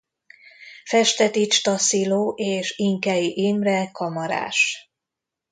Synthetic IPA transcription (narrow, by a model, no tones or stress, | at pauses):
fɛʃt̪ɛt̪it͡ʃt̪ɒsiloːʔeːʃiŋkɛjiʔimrɛkɒmɒɾa̰ːʃ